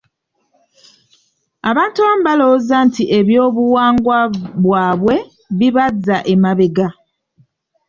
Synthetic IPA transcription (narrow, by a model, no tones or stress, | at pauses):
aβaːntuβamuβalo̞zantiʔe̞βjo̞ːβuwaːŋɡwaβwaːβwe̞ | βiβazːaʔemaβeɡa